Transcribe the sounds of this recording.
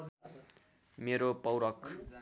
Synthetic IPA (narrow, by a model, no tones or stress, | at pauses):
meɾopʌwɾʌk